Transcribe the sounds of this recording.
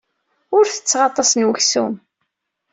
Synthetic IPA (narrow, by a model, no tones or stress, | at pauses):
ʊɾθə̥t͡sːʁɑt̪ˤːɑsnwəçsṵm